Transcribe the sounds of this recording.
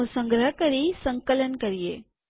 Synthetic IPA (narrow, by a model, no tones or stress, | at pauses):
ũsə̃ŋɡɾəɦəkəɾisə̃ŋkələnkəɾijḛ